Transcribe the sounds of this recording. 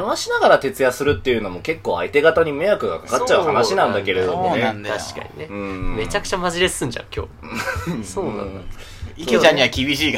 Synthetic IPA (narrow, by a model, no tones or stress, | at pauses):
ɯβaɕinaɡaɾat̪e̞t͡sɨjasɨɾɯ̟t̪ːe̞jɯ̟no̞moke̞kːo̞ːait̪e̞ɡat̪aɲ̟imejakɯ̟ɡakakatt͡ɕːaɯ̟hhanaɕinãnd̪ake̞ɾe̞d̪o̞moned̪aɕi̥ka̰ɲ̟ine̞ɯ̃me̞t͡ɕakɯ̟̥t͡ɕamaʑiɾesɨ̃ɲd͡ʑã̰ŋkʲo̰ː | soːnã̰na | ikʲit͡ɕãɲɲːiakʲibʲiɕiː